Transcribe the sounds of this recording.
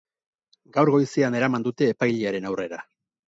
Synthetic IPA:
ɡawɾɣo̞jsiane̞ɾamand̪ut̪e̞ːpajʎiaɾe̞nawre̞ɾa

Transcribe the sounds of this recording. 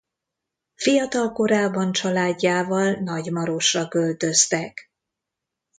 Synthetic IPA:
fijɒt̪ɒlko̞ɾaːbːɒnt͡ʃɒlaːɟːaːvɒlnɒɟmɒɾo̞ʃrɒkølt̪ø̞st̪ɛk

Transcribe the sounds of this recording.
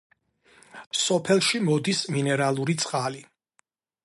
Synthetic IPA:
sɔpʰɛlˠʃimɔd̪isminɛɾalˠuɾit̪sʼqʼali

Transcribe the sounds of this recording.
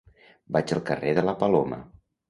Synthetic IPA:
bad͡ʒəlˠkəreðələpəlomə̰

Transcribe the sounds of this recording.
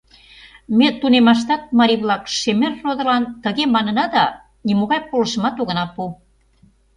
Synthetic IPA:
met̪unemɑʃ̬t̪ɑt̪̚mɑɾʲiβlɑkʃemerːod̪ɤ̆lɑnt̪ə̆ɣemɑnə̆nɑd̪ɑ | nimoɣɑjpolə̆ʃə̆mɑt̪oɣə̆nɑpu

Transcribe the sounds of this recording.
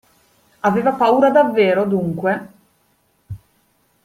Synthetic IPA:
aveːvapauːɾad̪avːeːɾod̪uŋkwe

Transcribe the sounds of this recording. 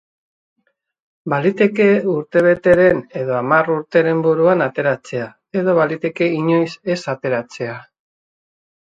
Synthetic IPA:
balit̪e̞ke̞uɾt̪e̞β̞e̞t̪e̞ɾe̞ne̞ðo̞amaruɾt̪e̞ɾe̞mbuɾuanat̪e̞ɾat͡se̞a | e̞ðo̞βalit̪e̞ke̞iɲo̞jse̞sat̪e̞ɾat͡se̞a

